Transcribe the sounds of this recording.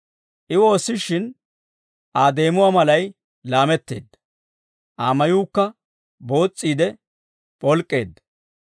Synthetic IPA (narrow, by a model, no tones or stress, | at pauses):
ʔɪwo̞ːsːɪʃɪn | ʔaːd̪e̞ːmʊwaːmɐlɐj | laːmɛt̪ːḛːd̪ːɐ | ʔaːmɐjuːkːɐ | bo̞ːt͡sʼːiːd̪ɛ | pʼɔlkʼːe̞̰ːd̪ːɐ